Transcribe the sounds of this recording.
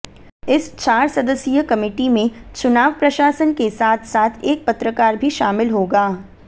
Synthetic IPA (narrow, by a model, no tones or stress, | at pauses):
ɪst͡ʃaːɾsɐd̪əsijəkɐmɪːʈimẽt͡ʃʊnaːʋpɾɐʃaːsənkesaːt̪ʰsaːt̪ʰeːk̚pɐt̪ɾəkaːɾbʱiʃaːmɪlɦoːɡaː